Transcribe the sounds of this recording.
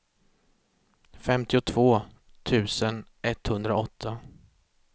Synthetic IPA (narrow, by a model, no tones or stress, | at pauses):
fɛmt̪ɪʊt̪ʰv̥oː | t̪ʰʉ̟ːsənʔɛt̪ːhɵnd̪ɾaɔt̪ʰːa